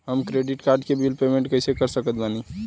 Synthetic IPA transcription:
ɦəmkɾeɖiʈkaɾɖkebilpemẽɳʈkəɪsekəɾsəkət̪̚bani

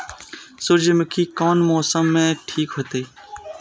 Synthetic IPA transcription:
sʊɾd͡ʒəmkikɔːnmɔːsəmːẽʈʰiːkɦoːt̪iː

